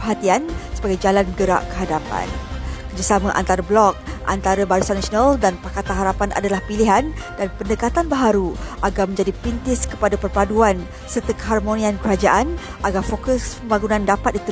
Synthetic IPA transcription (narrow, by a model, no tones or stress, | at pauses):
pəɦat̪iansəbaɡajd͡ʒalanɡəɾa̰ʔkə̥ɦadapa̰nkərd͡ʒasamãʔa̰nt̪aɾablɔk̚ʔa̰nt̪aɾabaɾusanasnaldanpakat̪anɦaɾapanʔa̰dalahpiliɦandanpəndəkat̪anbəɦaɾuʔaɡarmə̃ɲd͡ʒadipint̪ɪskə̥padapərpaduan | sərt̪əkəɦarmonĩãnkəɾad͡ʒaʔan | ʔaɡarfokəspəmbaɡunãndapat̪̚dit̪u